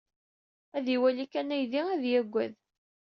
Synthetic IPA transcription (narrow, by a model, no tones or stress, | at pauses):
æðiwælikænæjðiæðjæɡʷːæð